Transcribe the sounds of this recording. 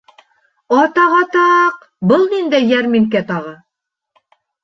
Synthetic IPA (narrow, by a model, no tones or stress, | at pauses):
ɑt̪ɑʁɑt̪ɑq | bɤlˠnind̪æjjæɾmiŋk̬æt̪ɑʁɤ